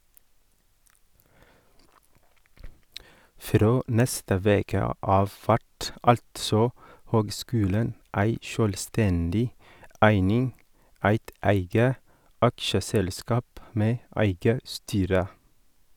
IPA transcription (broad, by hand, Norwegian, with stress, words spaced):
ˈfɾoː ˈnɛstə ˈʋeːkə ˈɑːʋ ˈfæʈ ˈɑltsɔ ˈhøːɡˌskʉːlən ˈæɪ ˈʃøːlˌstɛndɪ ˈæɪnɪŋ ˈæɪt ˈæɪɡə ˈɑkʃəsɛlˌskɑːp ˈmeː ˈæɪɡə ˈstyːɾə